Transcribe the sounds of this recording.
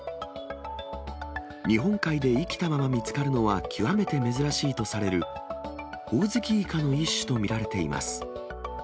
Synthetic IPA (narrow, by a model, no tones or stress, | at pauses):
ɲ̟iɦõ̞ŋkaid̪e̞ikʲi̥t̪amamamʲit͡sɨ̥kaɾɯ̟no̞βakʲʰiβame̞t̪e̞me̞zɨɾaɕiːt̪o̞saɾe̞ɾɯ̟ | ho̞ːzɨkʲiːkano̞iɕːɨ̥t̪o̞mʲiɾaɾe̞t̪e̞ḭmʔa̰sɨ̥